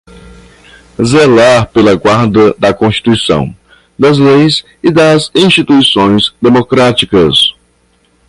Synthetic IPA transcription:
zelaɾpelɐɡwaɾd̪ɐd̪ɐkõst͡ʃi̥t̪ujsɐ̰̃w̃ | d̪ɐzlejs | ɪd̪ɐzĩst͡ʃit̪uisõj̃zd̪emokɾat͡ʃikɐs

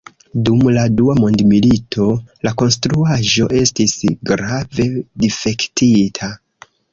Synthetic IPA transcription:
dumladuamo̞ndmilitʰo̞lako̞nstɾuaʒo̞ʔe̞stisɡɾave̞dife̞ktʰitʰa

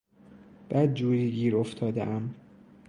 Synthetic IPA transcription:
b̥æːd̪̚d͡ʒuːɾiːɡiːɾoft̪ʰɒːd̪ḛʔæm

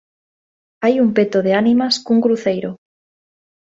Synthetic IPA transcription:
ajumpet̪oð̞eanimaskuŋɡɾuθejɾo

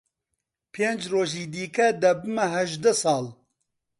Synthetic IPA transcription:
pʰeːnd͡ʒroːʒiːd̪iːkɛd̪ɐbɨmɐɦɛʒd̪ɛsɑːl

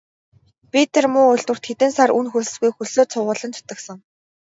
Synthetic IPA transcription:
pit̪ermʊːʊjɮt̪wɘ̆r̥t̪xet̪ɘ̆nsarunxuɮɘ̆sɡujxɵɮoːt͡sʰʊʁʊːɮə̆nt͡ɕʰʊ̥t̪ə̆ksə̆ŋ

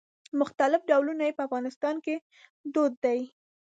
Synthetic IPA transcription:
mʊxt̪alɪfɖawlunajepəafɣɑnɪst̪ɑnke | d̪od̪ːaj

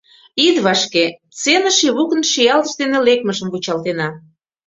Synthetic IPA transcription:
id̪βɑʃket͡senə̆ʃiβukə̆nʃijɑlə̆ʃd̪enelek̚məʒəmβut͡ɕɑlt̪enɑ

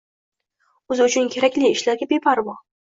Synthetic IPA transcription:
ɵzɪʊt͡ʃʰʊnkʲʰe̞ɾakʲlɪɪʃlaɾɡʲabepʰaɾbɒ

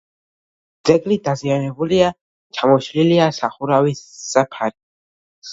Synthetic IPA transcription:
d̪z̥ɛɡlid̪azianɛbulia | t͡ʃʰamɔʃliliasaχuɾawisːapʰaɾi

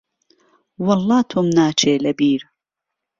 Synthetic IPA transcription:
wɑlˠˤːɑːt̪ʰʊmnaːt͡ʃʰeːlɐbiːɾ

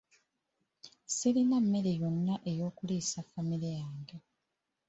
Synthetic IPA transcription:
silinamːe̞ɾe̞jo̞nːaʔe̞jo̞ːkuliːsafːamiɾejaːŋɡe

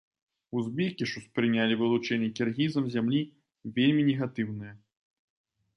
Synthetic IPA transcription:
uzbʲikʲiʂuspɾɨnʲalʲivɨlˠut͡ʂɛnʲːɛkʲɛrɣʲizɐmzʲamlʲi | vʲelʲmʲinʲɛɣat̪ɨwnɨjɐ

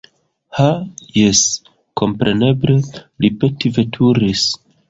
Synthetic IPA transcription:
hajes | kʰo̞mpɾe̞ne̞blelipetive̞tʰuɾis

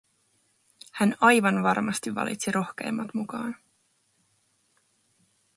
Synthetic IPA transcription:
hænɑjʋɑnʋɑrmɑst̪iʋːɑ̰lḭt̪siɾʔo̞xke̞̰ːmːɑt̪mukɑːn

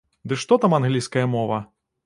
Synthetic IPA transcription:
d̪ɨʂt̪ɔt̪amanɣlʲijskɐjɐmɔvɐ

